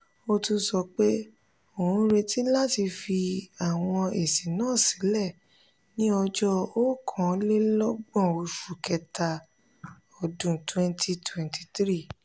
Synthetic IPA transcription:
o˧tu˧sɔ˧k͡pe˦ | o˨ũ˧ɾe˧ti˦la˦ti˧fi˧a˨w̃ɔ̃˧e˨si˨nãː˦˨si˨˦lɛ˦˨ | nĩ˦ɔ˧d͡ʒɔ˧o˦kʰɔ̃˨˦le˦lɔ˦ɡ͡bɔ̃˦˨o˧ʃu˨kɛ˧ta˧ | ɔ˧dũ˨twɛ̃˧ntʰi˧twɛ̃˨nti̥˨tɾi˦˨

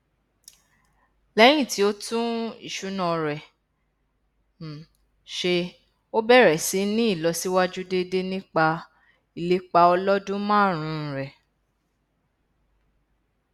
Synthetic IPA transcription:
lɛ˦j̃ĩ˦˨ti˨˦o˦tũ˦ḭ˦˨ʃu˨˦nã˧˨ɾɛ˨ | ʃe˧ | o˦bɛ˦˨ɾɛ˨si˨˦nĩ˦i˦˨lɔ˧˦si˦wa˦d͡ʒu˦de˦de˦nĩ˦k͡pa˧ | i˨le˦k͡pa˧ɔ˧lɔ˦dũ˦mãː˦˨ɾ̃ũ˧˦˧ɾɛ˨

